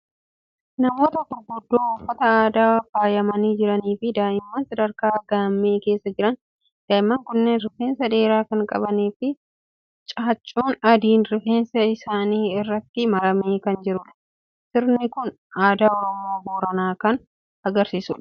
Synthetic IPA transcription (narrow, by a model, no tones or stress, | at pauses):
nɐmo̞ːt̪ɐk̪ʊɾɡʊd̪ːoːʊfːɐt̪ɐaːd̪aːfaːjɐmɐniːd͡ʒɪɾɐniːfɪd̪aːjɪmːaːnsɐd̪ɐɾkaːɡaːmːe̞ːke̞ːsːɐd͡ʒɪɾɐn | d̪̥aːjɪmːaːŋkʊnːeːnɾɪfe̞ːnsɐᶑe̞ːɾaːkɐŋkʼɐ̰bɐniːfɪ | t͡ʃʼaːt͡ʃʼːuːnɐd̪iːnɾɪfeːnsɐɪsaːniːɪrːɐt̪ːɪmɐɾɐmeːkɐnd͡ʒɪɾʊᶑɐ̥ | sɪɾnɪkʊn | aːd̪aːɔɾɔmo̞ːboːɾɐnaːkɐn | ɐɡɐɾsiːsʊᶑɐ̥